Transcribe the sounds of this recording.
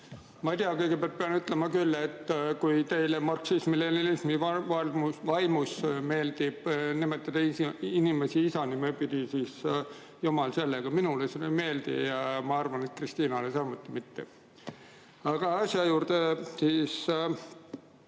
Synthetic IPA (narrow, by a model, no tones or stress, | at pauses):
mɑjt̪iɑkɤjɡ̥epæɑrt̪̚peɑnyt̪ˑlemɑkylːe̞t̪ːkujt̪e̞jlemɑrksismilelilismivɑmvɑjmusme̞ːld̪̥ib̥nimet̪ːˑɑd̪ɑiinimesiisɑnimepid̪̥isis | jumɑlse̞lːeɡ̥ɑminuleseneme̞ːld̪̥ḭjɑmɑɑrvɑne̞t̪̚krist̪iːnɑlesɑmut̪ːˑimit̪ːe | ɑɡ̥ɑɑsjɑjuːrd̪esiːs